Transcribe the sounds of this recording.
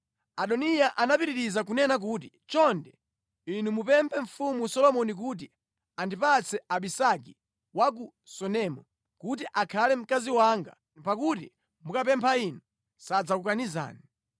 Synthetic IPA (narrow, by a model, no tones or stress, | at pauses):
aɗɔnijaʔanapiɾiɾizak̬unɛnak̬uːt̬i | t͡ʃɔndɛ | inumupɛmpʰɛɱ̩fumusɔlɔmɔnik̬ut̬i | andipat͡sʰɛʔaɓisak̬i | wak̬u | sɔnɛmɔ | kut̬iʔakʰalɛm̩kaziwaŋɡa̰ | pak̬utḭ | mukapɛmpʰainu | sad͡zakukaniza̰ːni